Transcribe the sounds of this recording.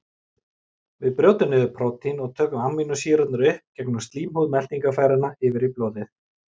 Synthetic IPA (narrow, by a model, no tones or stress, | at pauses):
vɪðpɾjowt̪ʏnɪðʏpʰɾɔt̪ʰinɔɣt̪ʰœːkʏmammːinʏsiːɾat̪nʏɾʏhp̚cɛknʏmst̪liːmhuðmɛl̥t̪iŋkafaːjɾɪnaɪːvɪɾiplɔːðɪθ